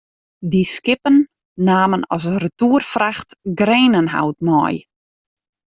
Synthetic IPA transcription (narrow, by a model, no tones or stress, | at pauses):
diskɪpənː | aːmənɔsrətuːərfraxtɡreːnənɦa̰wtmɔ̰j